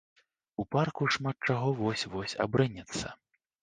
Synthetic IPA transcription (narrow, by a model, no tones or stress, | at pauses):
uparkuʂmat̪̚t͡ʂaɣɔvɔsʲvɔsʲa̰bɾɨnʲɛt̪sːɐ̰